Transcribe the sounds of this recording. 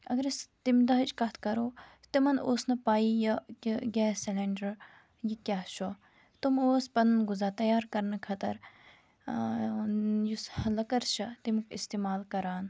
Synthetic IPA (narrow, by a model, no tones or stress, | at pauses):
ɐɡɐɾist̪imd̪ɐɦɐt͡ʃkɐt̪ʰkɐɾoː | t̪imɐnoːsnɐpaːijɐkɡeːsɛleɳɖɐɾ | jikʲaːʃʰo | t̪umoːspɐnnɡuzaːt̪ɐjaːɾkɐɾnɐkʰɐt̪ɐ̰ɾ | juslɐkɐɾt͡ʃʰɐt̪imkist̪eːmaːlkɐɾaːn